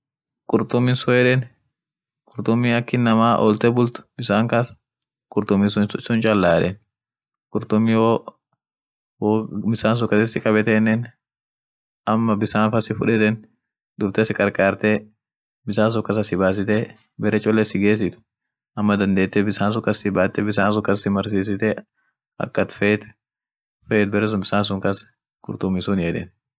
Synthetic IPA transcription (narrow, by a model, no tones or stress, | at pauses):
kʼʊɾt̪ʊmːɪnsɔɛᶑɛn | kʼʊɾt̪ʊmːiɐkːɪnːɐmaːʔɔ̰ːlt̪ɛbʊlt̪ʊ̥bɪsaːŋkɐs | kʼʊɾt̪ʊmɪsʊsʊnt͡ʃʼɐlːaːᶑɛn | kʼʊɾt̪ʊmːɪhoː | woːbɪsaːns̬ɔkːɐt̪esɪkʼɐbɛt̪ɛnːɛn | ʔɐmːɐbɪsaːnfɐsɪfʊᶑɛt̪ɛn | d̪ʊb̚t̪ɛsɪkʼɐɾkʼaːɾt̪e | bɪsaːns̬ʊkɐs̬ɐsɪbaːs̬ɪt̪ɛ | bɛɾɛt͡ʃʼɔlːɛsɪɡeːs̬ɪt̪ʊ̥ | ʔɐmːɐd̪ɐnd̪eːt̪ːɛbɪsaːns̬ʊkɐsɪbaːt̪ːɛbɪsaːns̬ʊkɐsɪmɐɾsiːs̬ɪt̪ɛ | ɐ̰kːɐt̪fɛːt̪ | fɛːt̪̚bɛɾɛs̬ʊnbɪsaːns̬ʊŋkɐs | kʊ̰ɾt̪ʊmːɪsʊnjɛᶑ̪ɛ̰n